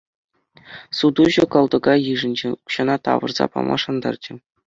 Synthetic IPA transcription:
sud̪uʑɤ̆kɤ̆lˠd̪ɤ̆ɡɑjɯʐɘ̆nʲd͡ʑeuɕɑnɑt̪ɑ̰ʋɤ̆rz̥ɑ̰pɑ̰mʔɑ̰ʂɑnd̪ɑ̰rd͡ʑɘ̆

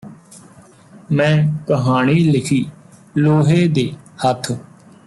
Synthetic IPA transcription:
mɛ̃ːkəɦaːɳ̃iːlɪkʰiːloːɦeːd̪eːhət̪ʰ

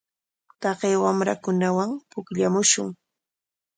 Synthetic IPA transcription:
t̪ɑɢejwamɾakʊnawaŋpʊkʎamʊʃʊŋ

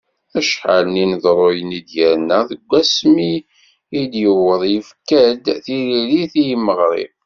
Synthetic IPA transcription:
æʃħalninəðˤɾˤojənid̪jæɾnəðəɡʷːæsmi | id̪jəwəðˤjəfkæd̪θiliɾiθijəmːəʁɾɪ̰b

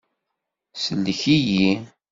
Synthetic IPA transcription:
səlːəçiji

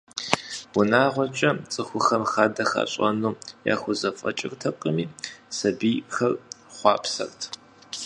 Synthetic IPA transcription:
wʊnaːʁʷɔt͡ʃʼɐt͡sʼɨxʷʊxɐmxaːdɐxa̰ɕʼɐ̰nuːja̰ːxʷʊzɐfʼɐ̰t͡ʃʼɪrtʰɐqʼəmiːsɐbiːxɐrχʷɑːpʰsɐ̰rtʰ

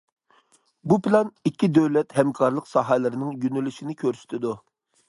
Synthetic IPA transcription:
bupʰɪlˠɑnikʲʰːid̪øwlɛt̪hɛmkʰɑɾlˠəqsɑɦɛlɪɾɪnɪŋjynylyʃinɪkʲʰøɾsy̥t̪ʰɪd̪u

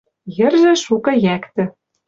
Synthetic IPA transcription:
jɘ̆rʒĕʃukɤ̆jækt̪ɘ̆

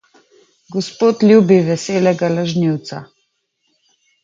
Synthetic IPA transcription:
ɡɔspoːt̪lʲjuːbiʋɛseːlɛɡalaʒniwt̪sa̰

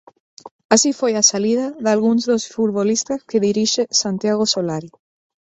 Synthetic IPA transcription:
asifojasaliðaðalɣuŋzðosfut̪βolist̪askeðiɾiʃesant̪jaɣ̞osolaɾi

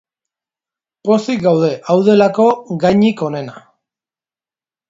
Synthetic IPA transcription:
po̞sik̚ɡawð̞e̞ʔawðe̞lako̞ɡajɲiko̞ne̞na

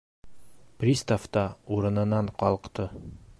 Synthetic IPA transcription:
prʲist̪aft̪ɑuɾɤ̆nɤ̆nːɑɴqɒlˠqt̪ɤ

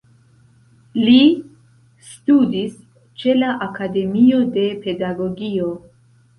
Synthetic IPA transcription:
li | studis | t͡ʃe̞laʔakade̞mio̞de̞pe̞daɡo̞ɡio̞

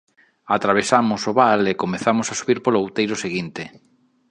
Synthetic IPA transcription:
at̪ɾaβ̞esamʊsoβalekomeθamosasuβiɾpoloawt̪ejɾoseɣint̪e

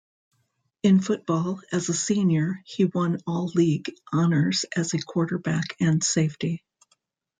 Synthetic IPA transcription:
ɨ̃nfʊt̚b̥ɔlˠɨzəsĩnjə˞hiwʌ̃nɔlˠliɡʔɑnə˞z̥ɨzɨkʰw̥ɔɹɾə˞bækʰɨ̃nseɪfti

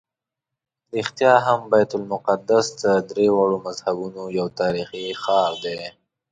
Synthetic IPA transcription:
ɾixt̪jɑɦambajt̪ʊlmʊqad̪asd̪əd̪ɾewaɽomazhabunojawt̪ɑɾixixɑɾd̪e

